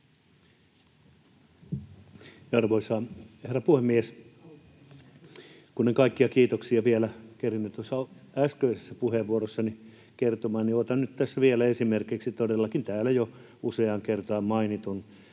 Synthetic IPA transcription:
ɑrʋoisɑːheræpuhemːies | kuneŋkɑikːiɑkiːt̪oksiɑʋielækerinːyt̪t̪osːɑæskøisesːæpuheʋʋuorosːɑni | kert̪omɑːnniot̪ɑnnyt̪t̪æsːæʋielæesimerkiksit̪odelːɑkint̪æːlæjo | useɑŋkert̪ɑːmmɑinit̪un

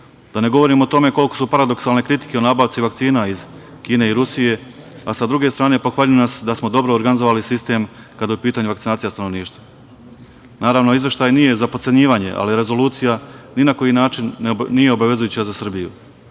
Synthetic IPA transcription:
d̪̥ane̞ɡo̞ʋo̞ɾimot̪o̞me̞ko̞lˠko̞supaɾad̪o̞ksalne̞kɾit̪i̥ke̞onaːbaːʋt̪siʋakt̪siːnaiz̥ | kiːne̞iɾusije̞ | asad̪ɾuɡe̞st̪ɾaːne̞po̞xʋaːʎujnasd̪asmod̪o̞bɾo̞ːɾɡanizo̞ʋalisist̪e̞m | kad̪ajupiːt̪aɲuʋakt̪inaːt̪sijast̪ano̞ʋniːʃt̪va | naːɾaʋno̞izʋe̞ʃt̪aːjnije̞zapot̪se̞ɲiːʋaɲe̞̰ʔa̰liɾe̞zo̞luːt̪sijaninako̞jinaːt͡ʃinːije̞obaʋe̞zujuːt͡ɕazasr̩bijṵ

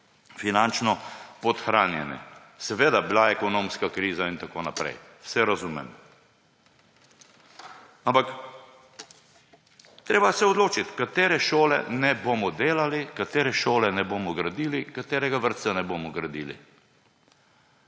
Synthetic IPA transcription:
finant͡ʃnɔpɔt̪xɾaːnjɛ̰nɛ̰ | sɛʋeːd̪abilaɛkɔnõmskakɾiːzaint̪akoːnapɾɛ̰jwsɛɾazuːmɛ̰m | ampak | t̪ɾeːbasɛɔd̪loːt͡ʃit̪kat̪eːɾɛʃoːlɛ̰nɛboːmɔd̪eːlalikat̪eːɾɛʃoːlɛnɛboːmɔɡɾad̪iːlikat̪eːɾɛɡaʋəɾt̪sanɛboːmɔɡɾad̪iːlḭ

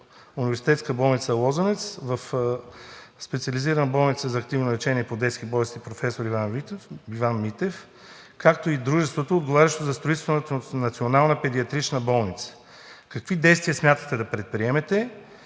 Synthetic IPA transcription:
univɛɾsi̥t̪ɛt̪skəbɔlˠnit̪səlˠɔzənɛt̪svɐf | spɛt̪siɐliziɾənəbɔlˠnit̪səzɐːk̚t̪ivnoɾɛt͡ʃɛniɛpod̪ɛt̪skibɔlɛst̪ipɾofɛsoɾivaivanmit̪ɛf | kak̚t̪oid̪ɾuʒɛst̪vot̪oːd̪ɡovaɾʲɐʃt̪ozɐst̪ɾoit̪st̪vnət̪nɐt̪sionalˠnəpɛd̪iɐt̪ɾit͡ʃnəbɔlˠnit̪sə̥ | kɐkvid̪ɛjst̪viəsmʲjat̪ət̪ɛd̪ɐpɾɛt̪̚pɾiɛmɛt̪ɛ

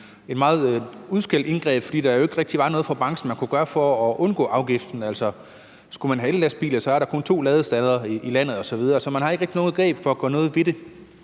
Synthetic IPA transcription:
e̝d̥mɑ̈ːð̞̩ˠuðˠsɡ̥el̰d̥e̝nɡ̥ʁɛ̰ːb̥fɒ̽d̥ḭːd̥ɑjoe̝ɡ̥ʁeɡ̥d̥iʋɑ̈nɔ̽ːð̞̩ˠfɒb̥ɑ̈ŋsn̩mænkʰuɡ̥ɶːɐfɒːʔɔ̽nɡ̥ɔ̰ːʔɑ̈ʊɡ̥ifd̥n̩ælsɒ̽ | sɡ̥umænɦæellæsb̥ḭːl̩ˠsɒ̽æɐɾɑ̈kʰɔ̽nt͡sʰo̝̰ːlɛːðˠəsd̥æðˠɐiːlæn̰ð̞̩ˠɒ̽sɒ̽ʋið̞ˠɐːsɒ̽mænhɑ̈e̝ɡ̥ʁeɡ̥̚d̥ino̝ːð̩ˠɡ̥ʁɛ̰ːb̥fɒ̽æɡ̥ɒ̰ːnɔ̽ːð̞̩ˠʋe̝ɾ̥e̝

